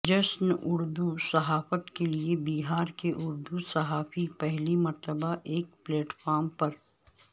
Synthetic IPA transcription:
d͡ʒɐsnʊɾd̪usɐɦaːfət̪keliebiːɦaːɾkeʔʊɾd̪usɐɦaːfipɛɦlimɐɾt̪əbaʔeːk̚pleːʈfaːɾmpɐɾ

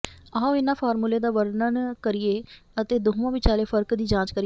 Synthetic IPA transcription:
aːɦõːɪnãːpʰaːɾmuːleːd̪aːʋəɾnənkəɾɪeːət̪eːd̪oːʋãːʋɪt͡ʃaːleːpʰəɾkd̪iːd͡ʒãːt͡ʃkəɾɪ

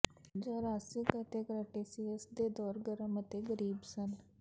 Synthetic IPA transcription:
d͡ʒaːɾaːsikət̪eːkəɾəʈeːsiəsd̪eːd̪ɔːɾɡəɾəmət̪eːɡəɾiːbsən

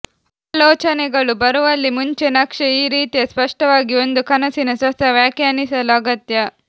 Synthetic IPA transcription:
aːlɔːt͡ʃɐnɛɡɐɭubɐɾuʋɐlːimuɲt͡ʃenɐkʂɐiːɾiːt̪ijɐspɐʂʈɐʋaːɡio̞nd̪ukɐnɐsinɐsʋɐsɐʋjaːkjaːnisɐluɐɡɐt̪jɐ

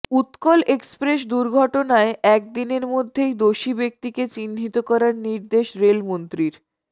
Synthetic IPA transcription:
ut̪kɔlekspɾeʃ̬d̪uɾɡʱɔʈonaeɛk̚d̪ineɾmod̪ʱːejd̪oʃibek̚t̪iket͡ɕinɦit̪okɔɾaɾniɾd̪eʃɾelmont̪ɾiɾ

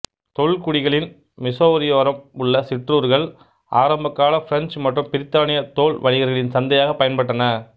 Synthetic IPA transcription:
t̪ɔɭkʊɽɪɣɐɭɪn | mɪsoːɾɪjoːɾɐmʊɭːɐsɪʈruːɾɣɐɭ | ʔa̰ːɾɐmbɐkːaːlɐfɪɾɐnt͡ʃmɐʈrɯmpɪɾɪt̪ːaːnɪjɐt̪oːɭʋɐɻɪɣɐɾɣɐɭɪnsɐnd̪ɐjaːɣɐpɐjɐnpɐʈːɐnɐ

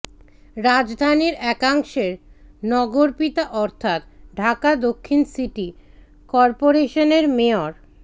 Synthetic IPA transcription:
ɾad͡ʑd̪ʱaniɾɛkaŋʃeɾnɔɡoɾpit̪aʔɔɾt̪ʰat̪ɖʱakad̪okʰːinsiʈi | kɔɾpoɾeʃoneɾmeoɾ

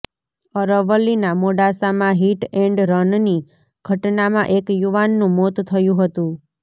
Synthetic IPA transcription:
əɾəʋəlːinamoɖasamãɦiʈɛɳɖɾənni | ɡ̥ʱəʈnamã̰ʔekjuʋanːũmot̪t̪ʰəjũɦət̪ũ

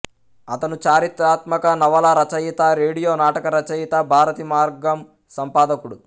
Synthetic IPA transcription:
ɐt̪ɐnut͡ʃaːɾit̪aːt̪mɐkɐnɐʋɐlɐɾɐt͡ʃɐjit̪aɾeːɽijoːnaːʈɐkɐɾɐt͡ʃɐjit̪ɐbʱaːɾɐt̪imaːɾɡɐm | sɐmpaːd̪ɐkuɽu

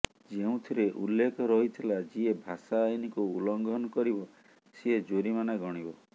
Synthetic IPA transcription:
d͡ʒeũt̪ʰiɾeʔulːekɔɾɔɦit̪ʰilad͡ʒiebʱasaːjnikuulɔŋɡʱɔnɔkɔɾibɔ | seed͡ʒoɾimanaɡʱɔɽ̃ibɔ

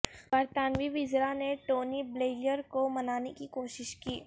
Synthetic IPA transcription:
b̥ɐɾt̪aːnʋiʋɪzɾaneʈoːnibleːləɾkomɐnaːnekikoːʃɪʃkiː

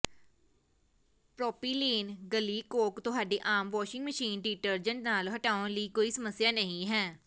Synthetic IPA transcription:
pɾɔːpiːleːnɡəliːkoːkt̪ʊɦaːɖeːʔaːmʋɔːʃɪŋɡməʃiːnɖiːʈəɾd͡ʒəɳnaːlɦəʈaːʊ̃liːkoːiːsəməsːjaːnəɦĩːɦɛ̃ː

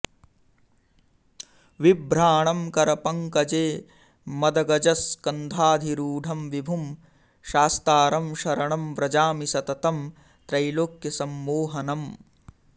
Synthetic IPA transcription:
ʋibɾaːɳɐmkɐɾɐpɐŋkɐd͡ʒeː | mɐd̪ɐɡɐd͡ʒɐskɐnd̪ʱaːd̪ʱiɾuːɖʱɐmʋibʱum | ʃaːst̪aːɾɐmʃɐɾɐɳɐmʋɾɐd͡ʒaːmisɐt̪ɐt̪ɐm | t̪ɾɐjloːkjɐsɐmːoːɦɐnɐm

